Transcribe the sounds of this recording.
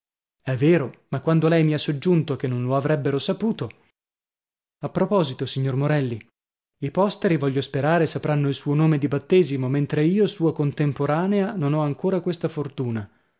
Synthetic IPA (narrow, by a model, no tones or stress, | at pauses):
ɛvːeːɾomakːwand̪olɛjmiasːod͡ʒːunt̪ok̟enːõnloavɾɛbːeɾosapuːt̪o | apːɾopɔzit̪osiɲːormoɾɛlːi | ipɔst̪eɾivɔʎːospeɾaːɾesapɾanːoilsuːonoːmed̪ibat̪ːeːzimoment̪ɾeiːosuːakont̪empoɾaːneanonɔaŋkoːɾakwest̪afort̪uːna